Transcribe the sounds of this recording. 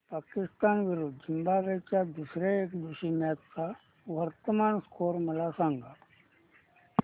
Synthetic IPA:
paːkɪst̪aːnʋɪɾuːd̪̚d͡ʒimbabet͡ʃad̪usɾeeːkd̪uʃimjaːt̪ka | ʋɐɾt̪əmaːnskoːɾmɐlasãːŋɡa

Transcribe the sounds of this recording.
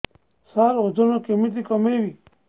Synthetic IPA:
saːɾod̪onokemit̪̬ikəmeʋi

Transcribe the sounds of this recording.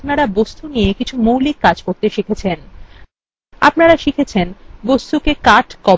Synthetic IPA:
pnaɾabost̪uniekit͡ɕʰumuwlikːad͡ʑkoɾt̪eʃikʰet͡ɕʰen | a̰pnaɾaʃikʰet͡ɕʰenbost̪ukekaʈkɔ

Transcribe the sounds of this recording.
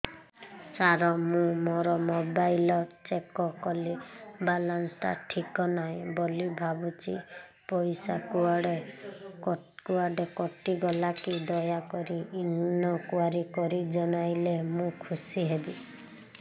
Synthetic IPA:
saɾɔmũmɔɾɔmobajlɔt͡ʃekɔkɔlibalanst̪a̰ʈʰikɔnaɦĩbɔlibʱabut͡ʃḭ | pɔjsakuaɽe | kuaɖekɔʈiɡɔlakid̪ɔjakɔɾiːnɔkuaɾikɔɾid͡ʒɔɽ̃ajlemũkʰusiɦebi

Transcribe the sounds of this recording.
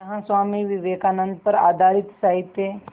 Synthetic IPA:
ɦãsʋaːmiʋiʋeːkaːnənd̪̚pəɾa̰ːd̪ʱaːɾit̪saɦit̪ːe

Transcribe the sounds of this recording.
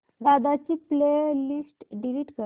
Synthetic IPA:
d̪ad̪at͡ɕiːpleɾlisʈɖiliːʈkə

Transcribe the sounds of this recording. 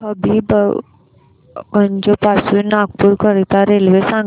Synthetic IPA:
əbib | ɡəɲd͡ʒopaːsunaːɡ̚puɾkəɾit̪aɾeːlʋesãːŋ

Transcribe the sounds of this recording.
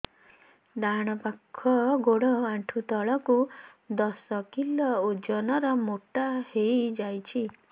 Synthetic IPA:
d̪aɽ̃ɔpakʰːɔɡoɽɔaɳʈʰut̪ɔɭɔku | d̪ɔsɔkilɔud͡ʒɔnɔɾɔmoʈahejd͡ʒajt͡ʃʰi

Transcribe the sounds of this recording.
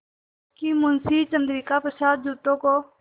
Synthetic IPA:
kiːmʊnsiːt͡ʃənd̪ɾiːkaːpəsaːt̪̚d͡ʒuːt̪õːkoː

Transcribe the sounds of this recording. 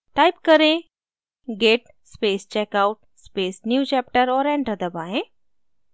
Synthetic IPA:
ʈajpkəɾẽ | ɡeʈ | spest͡ɕɛkawʈ̚ | spesnjuːt͡ɕɛpʈəɾɔːɾɛ̃ɳʈəd̪əbaɦẽ

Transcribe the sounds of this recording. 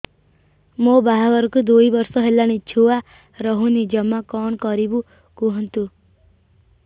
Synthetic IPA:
mobaɦaɡɔɾkud̪uibʌɾsɔɦelañit͡ʃʰua | ɾɔɦũnid͡ʒʌmakɔɳ̃kɔɾibu | kuɦɔnt̪u

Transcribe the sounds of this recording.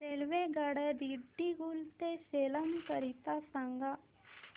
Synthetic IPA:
seːlʋeɡəɽɛd̪iɖːiɡult̪eseːlənkəɾit̪asəŋɡa

